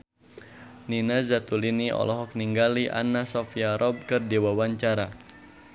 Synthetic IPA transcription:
ninazat̪uliniʔɔ̰lɔɦɔk̚niŋɡaliʔa̰nasɔfiaɾʔɔb̚kɨrdewawaɲt͡ʃaɾa

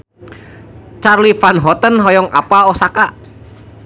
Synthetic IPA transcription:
t͡ʃarlifanɦɔt̪ənɦɔjɔŋa̰paɔsakaʔ

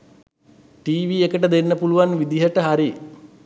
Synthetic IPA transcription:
ʈiːʋiekəʈəd̪enːəpuluʋanʋid̪iɦəʈəɦaɾi

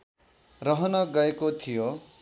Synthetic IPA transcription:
rʌɦʌnʌɡʌekot̪ʰijo

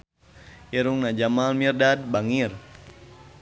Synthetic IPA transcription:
ɛɾuŋnad͡ʒamalmirdad̚baŋir

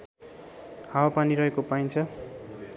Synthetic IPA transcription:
hawapaniɾʌɦekopajnt͡sʰʌ

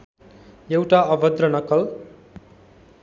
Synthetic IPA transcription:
jewʈaʌbʌd̪rʌnʌkʌl

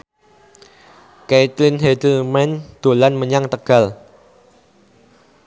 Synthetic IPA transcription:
kejt̪lɪnhɛd̪əlmɛnd̪̥o̤lanməɲaŋt̪əɡ̥a̤l

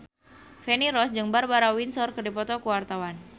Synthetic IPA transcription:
fɛniɾɔsd͡ʒɨŋbarbaɾawinsɔrkɨrdipɔt̪ɔkuwart̪awan

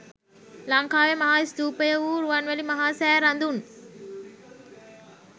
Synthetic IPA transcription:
lɐŋkaːʋemɐɦaːisd̪uːpəjəuːɾuʋɐnʋælimɐɦaːsæːɾɐnd̪un

